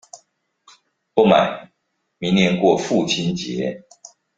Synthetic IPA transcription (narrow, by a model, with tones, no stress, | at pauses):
pɔ˥˩ma̰˨˩˦ | mi˨˧˦ŋnjɛ˧˥nkwɔ˥˧fu˥˨˩t͡ɕʰi˥nt͡ɕɛ̰˨˦˥